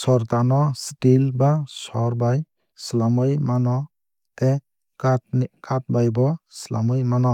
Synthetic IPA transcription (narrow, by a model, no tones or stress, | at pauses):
sɔɾt̪anɔstilbasɔɾbaj | slamɯjmanɔ | tɛ | katkat̚bajbɔslamɯjmanɔ